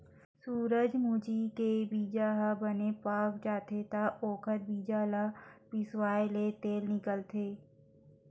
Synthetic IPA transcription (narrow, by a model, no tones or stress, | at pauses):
suːɾəd͡ʒmuːd͡ʒikebiːd͡ʒaːɦabənepaːkd͡ʒaːt̪ʰet̪aʔoːkʰəɾ̚biːd͡ʒaːlapɪswaːjlet̪eːlnɪkəlt̪ʰeː